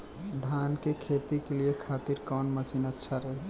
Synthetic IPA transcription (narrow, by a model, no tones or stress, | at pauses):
d̪ʱankekʰet̪ikeliekʰaːt̪iɾkɔːnmət͡ʃinətːʃʰaɾə